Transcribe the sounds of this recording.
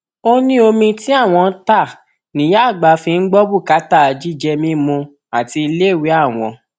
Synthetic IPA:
o˦nĩ˦o˧mĩ˧ti˦a˦˨w̃ɔ̃˧n̩˦ta˦˨ | nĩ˨˦ja˦˨ɡ͡ba˨˧fĩ˧n̩˦ɡ͡bɔ˦bu˦˨ka˦ta˦˨d͡ʒi˦d͡ʒɛ˧mĩ˦mũ˧ | a˨ti˧i˧le˦˨wi˨˦a˦˨w̃ɔ̰̃˧

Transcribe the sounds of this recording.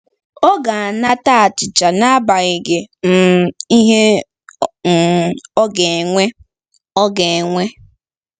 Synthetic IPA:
ɔ˦ɡa˨a˨na˦ta˦a˨t͡ʃɪ˨t͡ʃa˨na˦a˦ba˨ɣɪ˨ɡe˨m̩˨i˦ɦe˦ | m̩˨ɔ˦ɡe˨ŋʷe˦ | ɔ˦ɡe˨e˨ŋʷe˦

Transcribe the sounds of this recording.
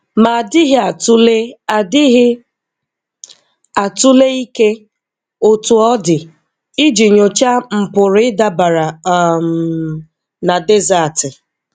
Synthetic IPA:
ma˨dɪ˦ɦɪ˦a˨tu˦le˦a˨dɪ˦ɦɪ˦ | a˨tu˦le˦i˦ke˦ | o˦tu˨ɔ˦dɪ˨ | ɪ˦d͡ʒi˨ɲo˨t͡ʃa˦m̩˨pʊ˨ɾɪ˨˦ɪ˦da˦ba˨ɾa˨˦m | na˨de˦za˨tɪ˨

